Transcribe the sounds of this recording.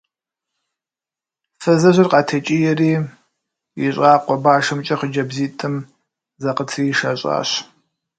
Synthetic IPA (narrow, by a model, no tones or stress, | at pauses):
fɐzɐʒʷɪrqʼɑːtʰɐt͡ʃʼijɛriː | jiɕʼaːqʷʼɔbaːʂɐmt͡ʃʼɐχəd͡ʒɐbziːtʼɨm | zɐqətʰriːʃɐːɕʼa̰ːɕ